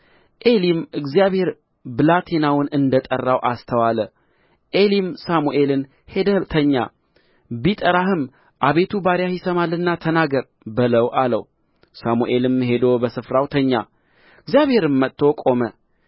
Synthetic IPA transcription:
ʔe̞limɨɡzijaβhe̞ɾ | bɨlat̪ʰenawnɨnd̪ət̪ʼərːawʔast̪ʰəwalə | ʔe̞limsamuʔe̞lɨn | he̞d̪ət̪ʰəɲːa̰ | bit̪ʼəɾahɨm | ʔaβe̞t̪ʰubaɾjahisəmalːɨnːat̪ʰənaɡəɾ | bɨləwʔalə̰w | samuʔe̞lɨmɦe̞d̪obəsɨfɾawt̪ʰəɲːa̰ | ɨɡzijaβhe̞ɾɨmːət̪ːo̞kʼo̞mə

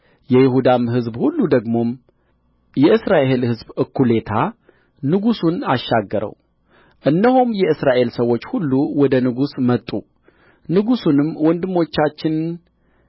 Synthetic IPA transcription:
jɛjɪhud̪amɦɨzbhulːud̪əɡmo̞m | jɛʔɨsɾaʔe̞lhɨzbɨkʰːule̞t̪ʰa | nɨɡusunaʃːaɡːəɾʔə̰w | ʔɨnːəhumjɛɨsɾaʔe̞lsəwo̞t͡ʃːhulːuwɔd̪ənɨɡusmət̪ʼːu | nɨɡusunɨmwɔnd̪ɨmːo̞t͡ʃːat͡ʃːɪn

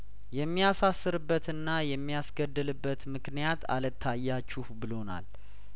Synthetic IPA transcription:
jɛmːijasasːɨɾɨbːət̪ɨnːajɛmːijasɡəd̪ːɨlɨbːət̪mɨknijat̪ʰa̰lət̪ʰːajːat͡ʃːuhbɨlo̞na̰l

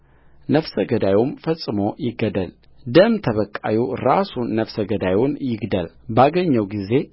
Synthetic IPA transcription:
nəfsəɡəd̪ajumfəsʼɨmo̞jɪɡːəd̪əl | d̪əmt̪ʰəβəkʼːa̰juɾasunːəfsəɡəd̪ajunjɪɡd̪əlbaɡəɲːəwɡize̞

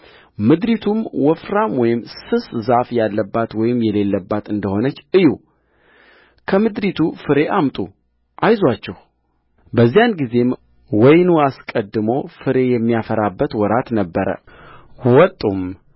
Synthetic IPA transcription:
mɨd̪ɾit̪ʰumwɔfɾamwɔjɪmsɨszafjalːəbːat̪wɔjɪmjɛle̞lːəbːat̪ɨnd̪əho̞nət͡ʃːɨju | kʰəmɨd̪ɾit̪ʰufɨɾe̞ʔamt̪ʼṵ | ʔajzwat͡ʃːɛh | bəzːijanɡize̞m | wɔjnuaskʼəd̪ːɨmo̞fɨɾe̞jɛmːijafəɾabːət̪wɔɾat̪nəbːəɾə̰ | wɔt̪ʼum

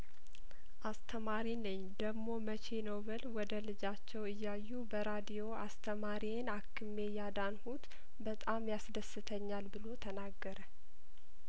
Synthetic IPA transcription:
ʔast̪ʰəmaɾinɨɲː | d̪əɡmo̞mət͡ʃʰe̞nowβəlwɔd̪əlɨd͡ʒat͡ʃːɛwɨjːajːubəɾad̪ijo̞ast̪ʰəmaɾinakʰːɨme̞jad̪anhut̪ | bət̪ʼamjasd̪əsːɨt̪ʰəɲːalbɨlo̞t̪ʰənaɡːəɾə

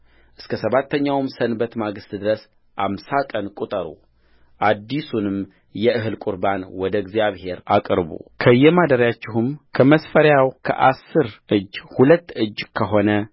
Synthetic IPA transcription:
ʔɨskʰəsəβat̪ːəɲːawmsənbət̪maɡɨst̪d̪ɨɾəs | ʔamsakʼənkʼut̪ʼəɾṵ | ʔad̪ːisunɨm | jɛʔɨɦɨlkʼuɾbanwɔd̪əɡzjaβhe̞ɾa̰kʼɾbṵkʰəjːɛmad̪əɾjat͡ʃːɪɦɨmkʰəməsfəɾjawkʰə̰ʔasːɨɾɨd͡ʒːhulət̪ːɨd͡ʒːkʰəɦo̞nə

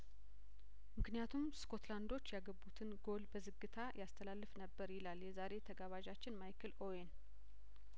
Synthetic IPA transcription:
mɨknijat̪ʰumsko̞t̪land̪o̞t͡ʃːjaɡəbːut̪ʰɨnɡo̞lbəzɨɡːɨt̪ʰajast̪ʰəlalːɨfnəbːəɾjɪlaljɛzaɾe̞t̪ʰəɡaβaʒat͡ʃːɪnmajkʰɨloen

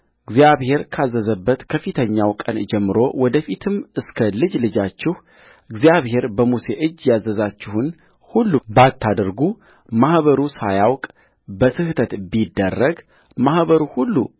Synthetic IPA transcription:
ɨɡzijaβhe̞ɾkʰazːəzəbːət̪kʰəfɨt̪ʰəɲːawkʼənd͡ʒɛmːɨɾo̞wɔd̪əfit̪ʰɨmɨskʰəlɨd͡ʒlɨd͡ʒat͡ʃːɪh | ɨɡzjaβhe̞ɾbəmuse̞ʔɨd͡ʒːjazːəzat͡ʃːɪhʊn | hulːubat̪ʰːad̪əɾɡu | mahβəɾusajawkʼ | bəsɨht̪ʰət̪bid̪ːərːəɡ | mahβəɾuhulːṵ

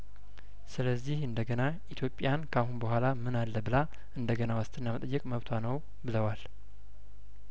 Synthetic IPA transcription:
sɨləzːihɨnd̪əɡənaʔit̪ʰjo̞pʼjankʰahunbəɦʷalamɨnalːəbɨla | ʔɨnd̪əɡənawast̪ʰɨnːamət̪ʼəjːɨkʼməβt̪ʰwanəw | bɨləwal

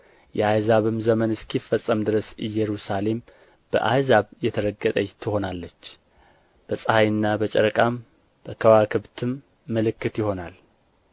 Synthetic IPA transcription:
jɛʔajzaβɨmzəmənɨskʰifəsʼːəmd̪ɨɾəsɨjɛɾusale̞m | b̥ə̰ʔajzaβjɛt̪ʰəɾəɡət̪ʼəɲt̪ʰɨho̞nalːət͡ʃː | b̥əsʼəhajɨnːabət͡ʃʼɛ̰ɾəkʼam | b̥əkʰəwakʰɨβt̪ʰɨmː | əlɨkːɨt̪jɪho̞nal

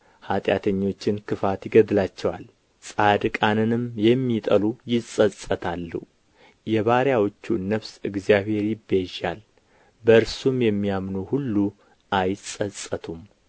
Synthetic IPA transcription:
hat̪ʼja̰t̪ʰəɲːo̞t͡ʃːɪnkʰɨfat̪jɪɡəd̪lat͡ʃːɛwa̰l | sʼad̪kʼanɨnɨmjɛmːit̪ʼəlujɪsʼəsʼət̪ʰalːṵ | jɛβaɾjawot͡ʃːunəβsɨɡzijaβhe̞ɾibeʒal | bəɨɾsumjɛmːijamnuhulːu | ʔajɪsʼəsʼət̪ʰum

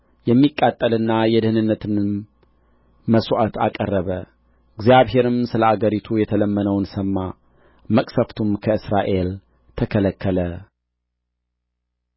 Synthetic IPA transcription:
jɛmːikʼːat̪ʼːəlɨnːajɛd̪ɨhɨnɨnːət̪ʰɨn | məswʔat̪a̰kʼərːəβə | ɨɡzjaβhe̞ɾɨmsɨləaɡəɾit̪ʰujɛt̪ʰələmːənəwnsəmːa | məkʼsəft̪ʰumkʰəɨsɾaʔe̞l | t̪ʰəkʰələkʰːələ

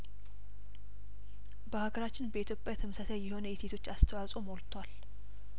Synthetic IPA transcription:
bəhaɡəɾat͡ʃːɪnbəit̪ʰjo̞pʼjat̪ʰɨmsət̪ʰajɛho̞nəjet̪ʰet̪ʰo̞t͡ʃːast̪ʰəwasʼo̞molt̪ʰwal

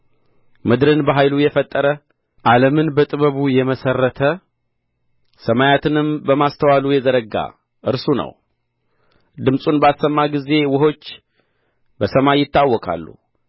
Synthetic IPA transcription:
mɨd̪ɾɨnbəɦajlujɛfət̪ʼːəɾə | ʔaləmɨnbət̪ʼɨβəβujɛməsərːət̪ʰə | səmajat̪ʰɨnɨmbəmast̪ʰəwalujɛzəɾəɡa̰ | ʔɨɾsunə̰w | d̪ɨmsʼunbəasəmːaɡize̞wʊɦo̞t͡ʃː | bəsəmajɪt̪ːawːɔkʰʼa̰lːṵ

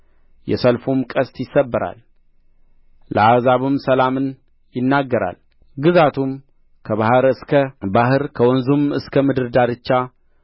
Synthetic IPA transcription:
jɛ̰səlfumkʼəst̪jɪsːəbːəɾa̰l | əazaβɨmsəlamɨn | jɪnːaɡːəɾa̰l | ɡɨzat̪ʰum | kʰəβahɨɾɨskʰəbahɨɾkʰəwɔnzumɨskʰəmɨd̪ɨɾd̪aɾɨt͡ʃːa

